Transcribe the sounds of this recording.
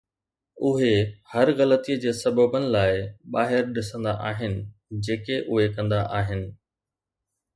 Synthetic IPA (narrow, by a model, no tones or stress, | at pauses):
ʊɦehɐɾɣɐlət̪iːəd͡ʑeːsɐbəbənɪ̆laːɪɓaːɦɪɾɗɪsə̃nd̪aʔaːɦɪnɪ̆d͡ʑeːkeʔʊɦekɐ̃nd̪aʔaːɦɪnɪ̆